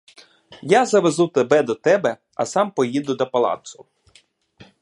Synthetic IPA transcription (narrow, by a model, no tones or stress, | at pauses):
jazɐʋezut̪ebɛd̪ɔt̪ɛbɛ | ɐ̰sɑmpɔjid̪ʊd̪ɐpɐlˠɑ̰t̪sʊ